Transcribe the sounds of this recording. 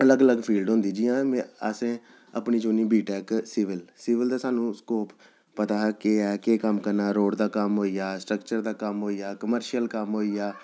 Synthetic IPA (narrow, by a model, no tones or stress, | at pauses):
ələɡələɡpʰiːlɖɦʊ̃nd̪iːd͡ʒijãːmɛ̃əsẽː | ə̰pniːt͡ʃoːniːbʱiːʈɛːksiːʋɪlsiːʋɪld̪aːsaːnũːskoːp | pət̪aːkeːɛːkeːkəmkəɾnaːɾoːɖd̪aːkəmɦoːiːaːsʈɾəkt͡ʃəɾd̪aːkəmɦoːijaːkəməɾʃjəlkəmɦoːiːjaː